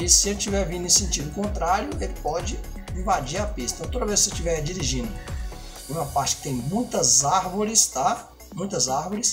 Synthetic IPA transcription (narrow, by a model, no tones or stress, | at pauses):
isɪelɪt͡ʃivɛɾvĩnɪ̃sẽnt͡ʃid̪ʊkõnt̪ɾaɾjʊelɪpɔd͡ʒɪ | ĩvad͡ʒiɾapist̪ɐ̃t̪od̪ɐvejsset͡ʃivɛd͡ʒiɾiʒĩnd̪ʊ | ũmɐpaɾt͡ʃɪ̥kɪ̥t̪ẽj̃mũj̃t̪ɐzaɾvoɾɪst̪a | mũj̃t̪ɐzaɾvoɾɪs